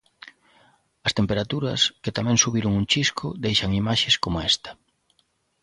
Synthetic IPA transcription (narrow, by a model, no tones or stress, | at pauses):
ɐst̪empeɾat̪uɾɐsket̪amɛ̃ŋsuβiɾʊŋunt͡ʃiskʰʊd̪ejʃaŋimaʃeskomoɛst̪ɐ̥